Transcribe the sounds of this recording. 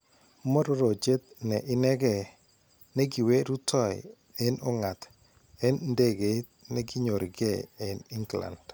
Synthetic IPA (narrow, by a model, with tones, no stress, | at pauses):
mɔ˦ɾɔ˦ɾo˨d͡ʒe˦t̪̚nɛ˨ʔɪ˦nɛ˦ɡɛ˦˨ | nɛ˦ɡi˨we˦ɾu˦tʰɔ˦˨j̰ | ɛ˦nɔ˦ŋa˨t | ɛ˦nnde˦ɡe˨tnɛ˦ɡɪ˦ɲo˨ɾɡɛ˦ɛ˨ni˦ŋɡla̰˨nd